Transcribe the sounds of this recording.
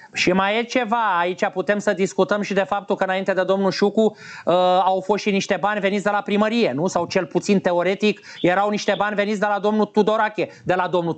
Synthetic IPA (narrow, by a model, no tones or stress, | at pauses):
ʃimajet͡ʃe̞vaːit͡ʃʲaput̪e̞msəd̪iskut̪əmʃid̪e̞fap̚t̪ulkəɨnaint̪e̞d̪e̞d̪o̞mnuʃukuəawfo̞st̪ʃiniʃt̪e̞banʲveit̪d̪e̞lapɾiməɾije̞nusawt͡ʃe̞lput̪sint̪e̞o̞ɾe̞t̪ik | je̞ɾawniʃt̪e̞banʲve̞nit̪sd̪e̞lad̪o̞mnut̪ud̪o̞ɾakʲe̞ | d̪e̞lad̪o̞mnu